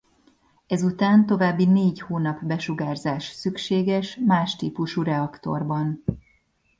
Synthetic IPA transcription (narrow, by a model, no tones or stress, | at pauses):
ɛzut̪aːnt̪o̞vaːbːineːɟhoːnɒpbɛʃuɡaːrzaːʃsykʃeːɡɛʃmaːʃt̪iːpuʃuɾɛɒkt̪o̞̰rbɒn